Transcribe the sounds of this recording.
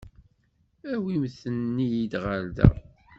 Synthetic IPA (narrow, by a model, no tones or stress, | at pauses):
æwimθənːijid̪ʁald̪æ̰